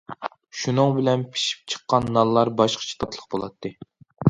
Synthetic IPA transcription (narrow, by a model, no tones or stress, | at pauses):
ʃunɨŋbɪlɛnpʰi̥ʃi̥p̚t͡ʃʰə̥qːɑnːɑnlˠːɑɾbɑʃqə̥t͡ʃʰi̥t̪ʰɑt̪ʰlˠəqbolˠɑ̰t̪ʰːɨ